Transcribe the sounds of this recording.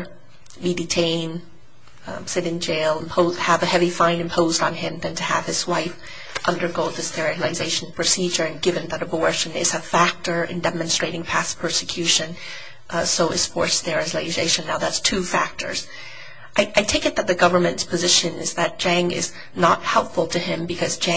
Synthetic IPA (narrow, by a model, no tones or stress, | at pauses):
bidɨtʰẽɪ̃n | sɪɾɨ̃nd͡ʒeɪlˠə̃mpʰoʊðəvɨhɛvifãɪ̃nɨ̃mpʰoʊzdn̩ɪ̃mðɨ̃ntʰɨəv̥ɨz̥waɪf | ʔʌ̃ndə˞ɡoʊd̪̚ðɨstɛɹɨlˠɨzeɪʃn̩pʰɹ̥ɨsid͡ʒə˞ɨ̃nɡɪvɨ̃nðɨɾɨbɔɹʃɨ̃nɪ̰tz̥ɨfæk̚tə˞ɨ̰̃ndɛmɨ̃nstɹ̥eɪɾɪ̃ŋpʰæspʰɜ˞sɨkʰj̥ʉʃɨ̃n | soʊɨz̥fɔ̰ɹsðɛ˞ɨzleɪzeɪʃɨ̃nːaʊðætstʰʉfæk̚tʰə̰˞z̥ | ʔaɪʔaɪtʰeɪkɨt̪̚ðɨt̪̚ðɨɡʌvə˞mɨ̃ntspʰɨzɪʃɨ̃nɪ̰zðɨt̚d̥ʒ̥æ̃ŋɪ̰z | nət̚hɛlˠpfl̩ˠtʰɨɪ̃mbɨkʰʌzd͡ʒæ̃